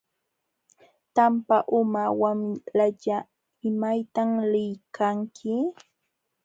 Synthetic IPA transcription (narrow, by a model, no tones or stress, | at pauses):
t̪ampaʔʊmawamlaʎa | ɪmajt̪amlɪjkʰaŋkʰɪ